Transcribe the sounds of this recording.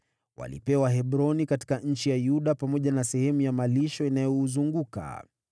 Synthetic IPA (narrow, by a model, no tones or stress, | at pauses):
wa̰lḭpɛwaɦɛɓɾɔnikati̥kaɲ̩t͡ʃijajuɗapamɔʄanasɛhɛmujamaliʃɔinajɔːzuŋɡuka̰